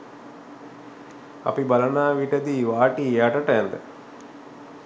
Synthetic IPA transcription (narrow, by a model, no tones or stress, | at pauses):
ɐ̰pibɐlɐnaːʋiʈɐd̪iʋaːʈiaʈɐʈɐɛnd̪ə̰